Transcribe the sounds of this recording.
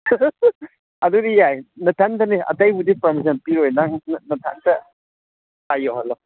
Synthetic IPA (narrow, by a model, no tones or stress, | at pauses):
ɐdudijajnɐtʰantɐniʔɐ̰tajbudipɐɾmis̬ɐnpiɾojnaŋnɐtʰa̰ntɐ | hajoɦalːɔ